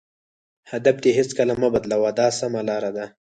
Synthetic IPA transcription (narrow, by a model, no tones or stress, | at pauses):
had̪ab̚t̪eɦɪt͡skalamabad̪lawad̪ɑsamalɑɾad̪a